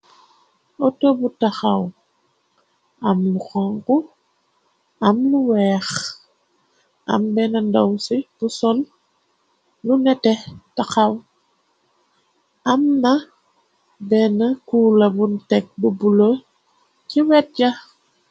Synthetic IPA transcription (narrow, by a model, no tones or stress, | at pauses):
ɔtobutaxaw | ɐmluxɔŋku | amluwɛːx | ʔa̰mbɛnandɔwsib̥usɔl | lunɛtɛtaxaw | amna | bɛnakulɐbuntɛk̚bubulo | ciwɛt̚ɟa